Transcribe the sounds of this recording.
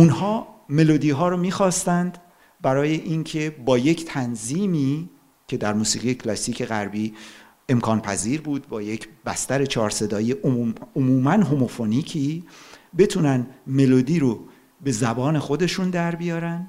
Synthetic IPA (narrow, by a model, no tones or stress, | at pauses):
unhɒːme̞lo̞d̪iːɦɒːɾomiːxɒːst̪ænd̪ | bæɾɒːje̞ʔincʰe̞bɒːje̞cʰt̪ʰænziːmi | cʰe̞d̪æɾmuːsḭːʁijecʰlɒsiːcʰe̞ɣæɾbiː | e̞mkʰɒːnpʰæ̰ziːɾbuːd̪̚bɒːje̞cʰb̥æst̪æɾe̞t͡ʃʰɒːɾse̞d̪ɒːjieʔomːomuːmænɦo̞mo̞foniːcʰibe̞t̪ʰuːnænme̞lo̞d̪iːɾo | be̞zæbɒːne̞xo̞d̪e̞ʃund̪æɾbijɒːɾænd̪